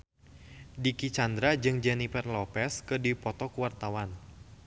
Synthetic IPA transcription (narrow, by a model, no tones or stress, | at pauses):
dikit͡ʃand̪ɾad͡ʒɨŋd͡ʒɛnifɛrlɔpɛskɨdipɔt̪ɔkuwart̪awan